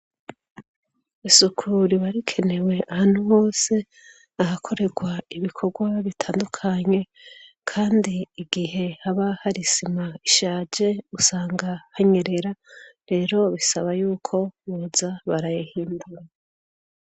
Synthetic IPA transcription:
isukʰuɾiβaɾikʰe̞ne̞we̞ʔahaːn̥huho̞ːse̞ | aɦakʰo̞ɾe̞ɡwaiβikʰo̞ɡwaβitʰaːndukʰaɲe̞ | kʰaːndiːɡiɦe̞haβahaɾisimaiʃaːd͡ʒe̞usaːŋɡahaɲe̞ɾe̞ɾaɾe̞ːɾo̞βisaβajuːkʰo̞βuzaβaɾajihiːnduɾa

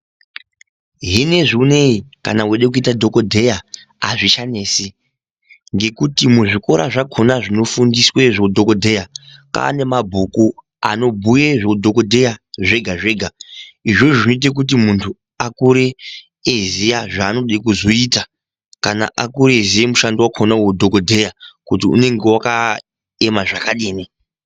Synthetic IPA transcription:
ɦine̞ʐuneika̰naweɗek̬uitadʱo̞kodʱe̞jaː | ʐiʃaneːsi | ŋɡe̞kutimuʐiko̞ɾa̰ʐakʰonaʐino̞fundiswe̞ʐodʱokodʱe̞jaka̰ne̞mabʱuku | a̰no̞bʱujeʐodʱoko̞dʱe̞jaʐe̞ɡʱaʐe̞ːɡʱaiʐo̞ʐinoit̬e̞k̬ut̬imuntʰu | akuɾeː | zijaʐaːno̞ɗekuzo̞iːta | kana̰ʔakuɾeezijemuʃandiwakʰonawodʱokodʱe̞jakutiṵne̞ŋɡe̞waka | emaʐakaɗeːni

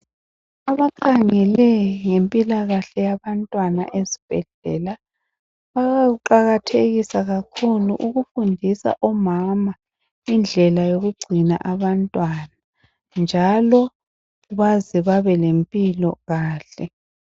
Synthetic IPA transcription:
aβaǃaŋɛlɛŋempʼilaɣaɬɛjaβantʼwana̰ʔezib̥ʱɛɮɛ̰ːla | βaɣauǃaɣatʰeɣisaɣakʰuluʔuɣufundʱisa̰ʔɔmama | ind͡ɮʱɛlajoɣuɡ͡ǀʱina̰ʔaβantʼwana | nd͡ʒʱalɔ | uβaziβaβɛlempʼilɔ̰ɣaːɬɛ

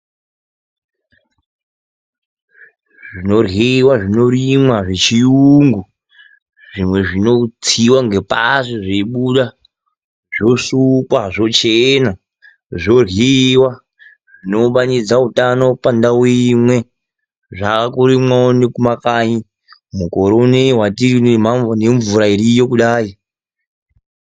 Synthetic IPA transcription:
ʐino̞riwaʐino̞rimwaʐet͡ʃijuŋɡu | ʐimwe̞ʐino̞t͡sʰiwaŋɡe̞pa̰siʐeiɓuɗa | ʐ̥osukwaʐo̞t͡ʃena | ʐo̞riwa | ʐino̞ɓanid͡zautano̞pandawimwe̞ | ʐakakuɾimwaonekumakaɲi | muko̞ɾoneɦwatirinmaneɱvuɾaiɾijokuɗaːi

